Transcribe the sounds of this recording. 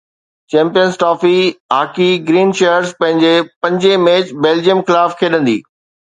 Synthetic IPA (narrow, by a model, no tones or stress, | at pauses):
t͡ɕɛ̃ːmpijənsʈɔːfiaːkiɡɾiːnʃeːəɾzpɐ̃ɦɪ̃ɲd͡ʑepɐ̃ɲd͡ʑemeːt͡ɕbeːld͡ʑijəmxɪlaːfkʰeːɗə̃nd̪ḭː